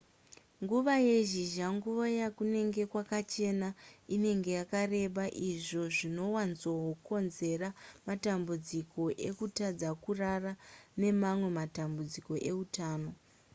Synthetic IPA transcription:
ŋɡuʋaje̞ʒiʒaŋɡuʋojakune̞ŋɡe̞kwakat͡ʃe̞naine̞ŋɡe̞jakare̞ɓaʔiʐo̞ʐino̞wanzoɦoko̞nze̞ramatambud͡ziko̞ʔe̞kutad͡zakurarane̞mamwe̞matambud͡ziko̞ʔe̞utaːno̞

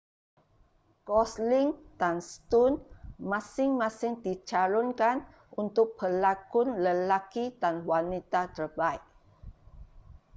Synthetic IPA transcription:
kɔslɪŋdanst̪unmãsɪŋmãsɪŋdit͡ʃalɔnkan | unt̪ʊk̚pəlakʊnləlakidanwanit̪at̪ərbaik̚

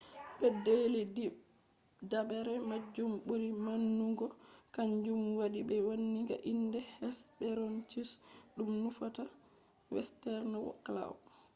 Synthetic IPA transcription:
bɛdelii | dabɛɾɛmad͡ʒːumɓoɾimanːuɡɔkaɲd͡ʒumwaɗibɛwonːiɡa̰ʔindɛhɛsbɛɾɔnt͡ʃisɗumnufata | wɛ̰stɛɾnawɔ̰kːla̰w

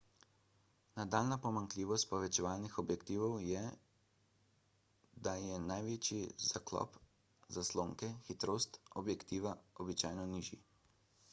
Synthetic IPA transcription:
nad̪alnapɔmaŋkliːʋɔst̪̚pɔʋɛt͡ʃɛʋaːlnixɔbjɛkt̪iːʋɔwjɛ | d̪ajɛnajʋeːt͡ʃiz̥aklɔ̰p | zasloːŋkɛxit̪ɾoːst̪ɔbjɛkt̪iːʋaɔbit͡ʃaːjnɔniʒḭ

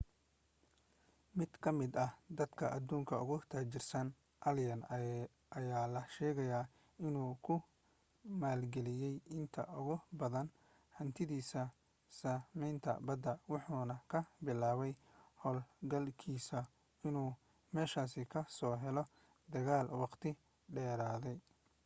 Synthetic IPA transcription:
mɪd̪̥kʰɐmɪd̪ɐhd̪ɐd̪kʰɐʔɐd̪uːŋkʰɐʊɣʊt̪ʰaːt͡ʃɪrsɐn | ʔɐljɐn | ɐjaːlɐʃɛːɣɐjaː | ɪnuːkʰʊ | maːlɡɛlɪjɛjɪnt̪ʰɐ̰ʔʊɣʊbɐðɐn | hɐnt̪ʰɪðiːsɐ | saːmɛjnt̪ʰɐ̰bɐd̪ɐwɑħuːnɐkʰɐbɪlaːβɛjhɔːlɡɐlkʰiːsɐ | ɪnuː | mɛːʃaːsɪkʰɐsɔːɦɛlɔ | d̪ɐɣaːlwɑqt̪ʰɪ | ɖɛːɾaːðɛj

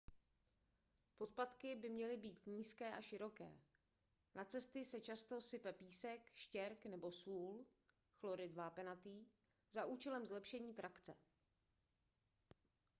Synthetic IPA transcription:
po̞t̪̚plat̪kɪbɪmɲɛlɪbiːt̪ɲiːskɛːʔaʃɪɾo̞kɛ̰ː | nat͡sɛst̪ɪsɛt͡ʃast̪o̞sɪpɛpiːsɛkʃcɛɾknɛbo̞suːl | xlo̞ɾɪdvaːpɛnat̪iː | zaʔuːt͡ʃɛlɛmzlɛpʃɛɲiːt̪ɾakt͡sɛ̰

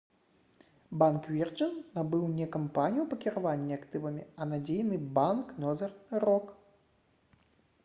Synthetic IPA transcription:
bankvʲɛrt͡ʂɨnːabɨwnʲɛkampanʲijupɐkʲiɾavanʲːiakt̪ɨvɐmʲiɐnad͡zʲejnɨbanknɔzɐrrɔk

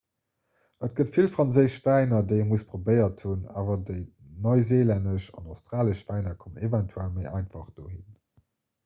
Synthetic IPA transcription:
ətɡ̥ətfilfʁ̥ɑnzəɪʃv̥æɪnɐdəɪəmuəspʁobəɪɐthuna̰ːvɐdəɪ | nɔɪzeːlændəʃɑ̰naʊstʁaːləʃv̥æɪnɐkʰomnevɛntʰuælməɪʔɑɪnfɑχd̥oːhin

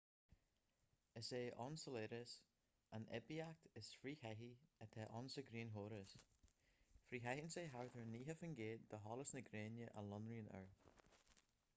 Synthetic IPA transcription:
əseːʔɔnsəleːɾəs | anʔɛ̰biak̚t̪əsfɾiːhɛɦiət̪ʰɛʔɔnsəɡɾiːnɦoːɾəs | fɾiːɦɛhinseːɦaɹt̪ʰəɹniːɦəfənɡeːd̪̚d̪əɦɔːləsnəɡɾeːnjəʔə̰lɔnɾiːnə̰ɹ

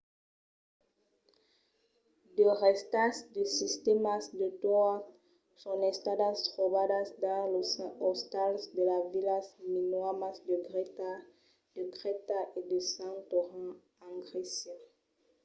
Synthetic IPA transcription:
d̪əʁɛst̪asd̪əsist̪emasd̪əd̪ɔ | sɔ̃ɛst̪ad̪ast̪ʁobad̪asd̪ãlosɔst̪alsd̪əlavilasminwamasd̪əɡʁɛt̪a | d̪̥əɡʁɛt̪aʔed̪əsãt̪oʁɑ̃ | ãɡʁese

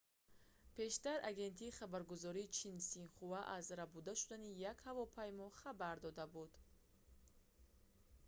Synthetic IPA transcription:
pʰe̞ʃt̪aɾaɡe̞nt̪ʰiːχabaɾɡuzɔɾiːt͡ʃʰinsinχuvaʔazɾabud̪aʃud̪anijakhavɔpʰajmɔχabaɾd̪ɔd̪abud̪̥

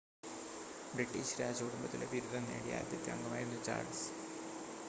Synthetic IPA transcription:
bɾiʈːiːɕɾaːd͡ʑɐkuɽumbɐt̪ːileʋiɾud̪ʱɐnːeːɽija̰ːɾd̪ʱjɐt̪ːja̰ŋɡɐmaːjiɾunːut͡ɕa̰ːrɖs

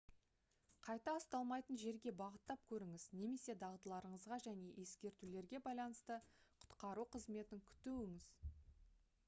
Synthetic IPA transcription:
qʰɑjt̪ɑəst̪ɑlˠmɑjt̪ənʒe̞ɾɡʲe̞bɑʁət̪ːɑp̚kʲʰɵɾɪŋɪzneme̞se̞d̪ɑʁd̪əlˠɑɾəɴəzʁɑʒæne̞ʔe̞skʲe̞ɾt̪ule̞ɾɡʲe̞bɑjlˠɑnəst̪əqʰʊ̥t̪qɑɾuqʰəzme̞t̪ɪŋkʲʰʏ̥t̪uwɪŋɪz̥

